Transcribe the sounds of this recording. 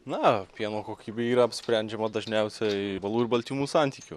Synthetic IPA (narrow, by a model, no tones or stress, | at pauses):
nɐpʲiɛnoːkoːkʲiːbʲeːiːɾɐɐpʲsʲpʲɾʲænʲd͡ʒʲɛmɐd̪ɐʒʲnʲɛʊsʲɛbɐlˠuːɪɾbɐlʲt̪ʲiːmuːsɑnʲt̪ʲiːkʲʊ